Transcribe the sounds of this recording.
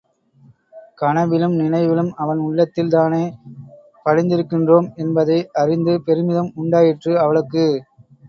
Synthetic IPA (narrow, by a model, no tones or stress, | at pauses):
kɐɳɐʋɪlɯmnɪnɐɪʋɪlɯmɐʋɐnʊɭːɐt̪ːɪlt̪aːneː | pɐɻɪnd̪ɪɾɯkːɪndroːmɛnbɐðɐɪʔɐrɪnd̪ɯpɛɾɯmɪðɐmʊɳɖaːjɪʈrɯɐʋɐɭɯkːɯ